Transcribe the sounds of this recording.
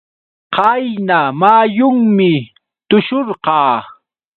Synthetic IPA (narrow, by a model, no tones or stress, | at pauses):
qɑjnamaːjʊŋmɪ | t̪ʊʃoɾqɑː